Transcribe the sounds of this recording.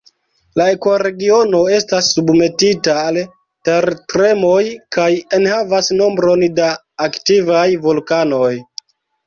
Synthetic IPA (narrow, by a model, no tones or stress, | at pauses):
lae̞koɾe̞ɡio̞no̞e̞stasːubme̞titaːl | teɾtɾe̞mo̞jkaje̞nhavasno̞mbɾo̞ndaː | ktivajvolkano̞j